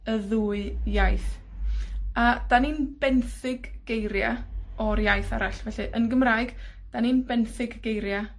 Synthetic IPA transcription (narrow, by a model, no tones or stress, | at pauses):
əðuːɨjajθ | ad̥aniːnb̥ɛnθɪɡ̥ːejɾja̰ɔrjajθa̰ɾaɬvɛɬɨʔənɡəmraːɨɡ̥ | d̥aniːnbɛnθɪɡːejɾja